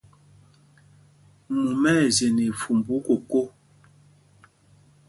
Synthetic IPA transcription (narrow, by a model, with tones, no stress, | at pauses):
mu˨mɛ˦˨ze˨ne˨fu˨mbu˨˦ko˨ko˦